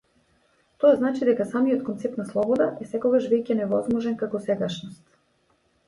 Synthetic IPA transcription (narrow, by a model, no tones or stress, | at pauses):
t̪ɔaznat͡ʃid̪ɛkasamijɔt̪̚kɔnt̪sɛp̚t̪naslˠɔbɔd̪aʔɛsɛkɔɡaʃvɛjcɛnɛvɔzmɔʒɛnkakɔsɛɡaʃnɔst̪